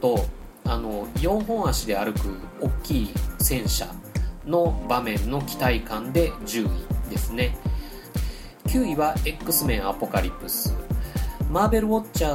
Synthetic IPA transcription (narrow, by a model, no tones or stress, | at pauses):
t̪o̞ | ano̞jo̞ːɦõ̞ɰ̃aɕid̪e̞aɾɯ̟kɯ̟o̞kʲːiːsẽ̞ɰ̃ɕa̰no̞bamẽ̞nːo̞kʲi̥t̪aikãnd̪e̞d͡ʑɨːid̪e̞sɨne̞ | kʲɨːiβae̞kːɯ̟sɨmẽ̞ɰ̃apo̞kaɾʲipːɯ̟sɨ | maːbe̞ɾɯ̟o̞t͡ɕːaː